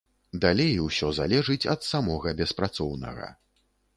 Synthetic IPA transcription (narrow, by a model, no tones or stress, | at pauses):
d̪alʲejwsʲɔzalʲɛʐɨt͡sʲɐ̰t̪samɔɣɐbʲɛspɾat̪sɔwnɐ̰ɣɐ̰